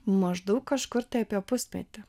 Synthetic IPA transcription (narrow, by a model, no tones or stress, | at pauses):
mɐʒd̪ɐʊkkːɐʃkʊɾt̪ɐɪɐpʲiɛpʊsʲt̪ʲmʲɛ̰t̪ʲɪ